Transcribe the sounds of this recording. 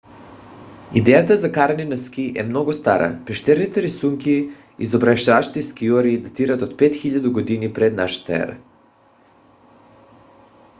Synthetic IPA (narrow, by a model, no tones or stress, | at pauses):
ḭd̪ejat̪azakaɾaɲenaskiʔemnoɡost̪aɾʔa̰pɛʃt̪ɛɾnit̪ɛɾisuŋki | izobɾaʃt̪aːʃt̪iskioɾiːd̪at̪iɾat̪ot̪pet̪xiʎad̪uɡod̪inipɾed̪naʃt̪ɛ̰ɾa̰